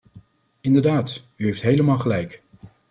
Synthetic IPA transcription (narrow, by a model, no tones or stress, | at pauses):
ɪndəɹdaːt | yɦejftɦejləmaːlˠχəlɛjk